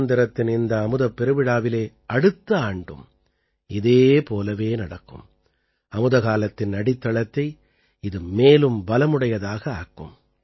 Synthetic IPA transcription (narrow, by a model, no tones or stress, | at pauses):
nd̪ɐɾɐt̪ːɪnɪnd̪ɐːmɯðɐpːɛɾɯʋɪɽaːʋɪleː | ʔɐɽɯt̪ːɐaːɳɖɯ̰m | ɪðeːpoːlɐʋeːnɐɽɐkːɯ̰m | ɐmɯðɐɣaːlɐt̪ːɪnnɐɽɪt̪ːɐɭɐt̪ːɐɪ | ɪðɯmeːlɯmbɐlɐmɯɽɐjɐðaːɣɐaːkːɯ̰m